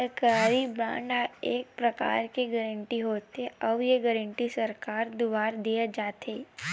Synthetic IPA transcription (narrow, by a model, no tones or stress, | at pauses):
əkaːɾiba̰ːɳɖaeːk̚pɾəka̰ːɾkiɡəɾə̃ɳʈiɦoːt̪eəʋjeɡəɾə̃ɳʈisəɾkaːɾd̪uʋaːɾd̪ijad͡ʒaːt̪ʰeː